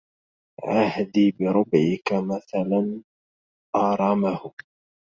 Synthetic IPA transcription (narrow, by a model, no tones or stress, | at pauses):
ʕahd̪iːbɪɾʊbʕɪkamaθalan | ʔɑːɾˤɑmahʊ